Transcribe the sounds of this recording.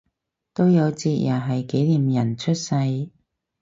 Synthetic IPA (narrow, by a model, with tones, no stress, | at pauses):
t̪o˥wjɐ˨˧wt͡siː˧t̚jaː˨˩ɦɐ˨jke˨˥jliː˨˩mjɐ˨˩nt͡ʃʰɵ˥t̚sɐ˧j